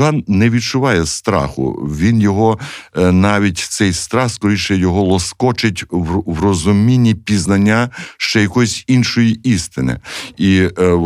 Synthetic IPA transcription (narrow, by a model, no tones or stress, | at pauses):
ɑnnɛʋʲidt͡ʃʊʋɑjɛst̪ɾɑ̰xʊ̰ʋʲinjɔɦɔnɑʋʲitʲt̪sɛjst̪ɾɑxskɔɾʲiʃɛjɔɦɔlˠɔskɔt͡ʃɪtʲʋrɔzʊmʲinʲːipʲiznɐnʲːaʃt͡ʃɛjɐkɔjsʲinʃɔjiist̪ɪnɪ̰i